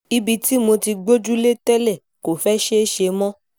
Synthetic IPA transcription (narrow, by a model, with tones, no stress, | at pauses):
i˧bi˧ti˦mo˧ti˧ɡ͡bo˦d͡ʒu˦le˦tɛ˦lɛ˦˨ | ko˨fɛ˦ʃe˦ʃe˧mɔ̃˦